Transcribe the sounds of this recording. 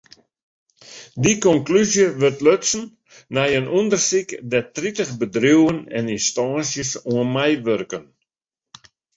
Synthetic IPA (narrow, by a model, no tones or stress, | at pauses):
dikɔŋklyzjəʋørtløtsn̩ | nɛjənʔundərsikdɛtritəχbədruwənɛ̰ninstɔːnsjəsuənmɛjʋørkən